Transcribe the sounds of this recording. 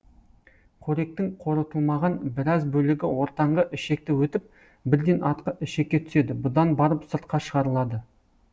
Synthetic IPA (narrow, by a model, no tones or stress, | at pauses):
qʰɵɾe̞k̚t̪ɪŋqʰo̞ɾət̪əlˠmɑʁɑnbɪɾɑzbɵlɪɡʲɪwo̞ɾt̪ɑɴʁəʔɪʃe̞k̚t̪ɪwɵt̪ɪp̚ | bɪɾd̪e̞nʔɑt̪qəʔɪʃe̞k̚ʲːe̞t̪ʰʏ̥se̞d̪ɪbʊd̪ɑnbɑɾəpsəɾt̪̚qɑʃəʁɑɾəlˠɑd̪ə